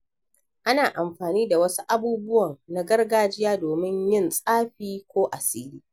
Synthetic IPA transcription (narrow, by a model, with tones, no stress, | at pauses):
ʔa˦naː˨ʔa˨mɸaː˨niː˦da˨wɐ˦su˦ʔa˦buː˦bʊ˦wɐ˨ŋna˦ɡɐ˦rɡaː˦d͡ʒɪ˦jaː˦doː˨mɪ˦ɲjɪ˦nsʼaː˦ɸiː˦kʷoː˦ʔa˨siː˦liː˦